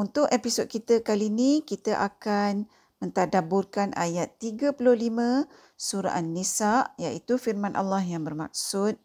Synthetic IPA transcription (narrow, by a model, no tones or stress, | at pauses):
unt̪ʊkepisɔd̪̚kit̪əkalinikit̪aʔakan | mə̃nt̪adabʊrkanʔa̰jat̪ːiɡapulʊhlimə̃ | suɾa̰ʔanːisaʔjaʔit̪ufirmãnʔa̰lːahjaŋbərma̰k̚sʊt̪̚